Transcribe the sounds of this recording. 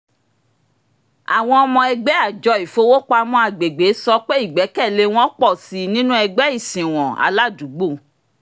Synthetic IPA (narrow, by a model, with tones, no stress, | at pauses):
a˨w̃ɔ̃˧ɔ˧mɔ̃˧ɛ˧ɡ͡bɛ˦a˦˨d͡ʒɔ˨˧i˨fo˨˦wo˦k͡pa˧mɔ̃˦a˦˨ɡ͡be˨ɡ͡be˨˦sɔ˧k͡pe˦i˦˨ɡ͡bɛ˨˦kɛ˦˨le˧w̃ɔ̃˦k͡pɔ˦˨si˨˦nĩ˦nũ˦ɛ˧ɡ͡bɛ˦i˦˨sĩ˨w̃ɔ̃˨a̰˨˦la˦˨du˨˦ɡ͡bo˦˨